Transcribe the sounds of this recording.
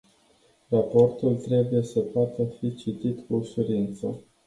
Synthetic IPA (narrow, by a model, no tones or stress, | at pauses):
rapo̞rt̪ult̪ɾe̞buje̞səpoat̪əfit͡ʃit̪it̪kusuɾint̪sə